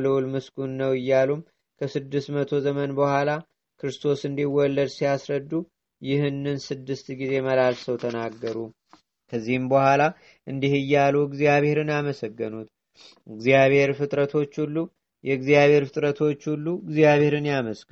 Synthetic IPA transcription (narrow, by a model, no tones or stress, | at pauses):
ləwulmɨskʼunnːəwɨjːalum | kʰəsɨd̪ːɨst̪mət̪ʰo̞zəmənbəhʷala | kʰɨɾɨst̪ʰo̞sɨnd̪iwɔlːəd̪sijasɾəd̪ːu | jɪhɨnːɨnsɨd̪ːɨst̪ɡize̞məlalsəwt̪ʰənaɡːəɾu | kʰəzːihɨmbəhʷala | ʔɨnd̪ihɨjːaluɨɡzijaβhe̞ɾɨnjaməsəɡːɨnut̪ | ɨɡzijaβhe̞ɾfɨt̪ʼɾət̪ʰo̞t͡ʃːhulːu | jɛɡzijaβhe̞ɾfɨt̪ʼɾət̪ʰo̞t͡ʃːhulːuɡzijaβhe̞ɾɨnjaməskʼ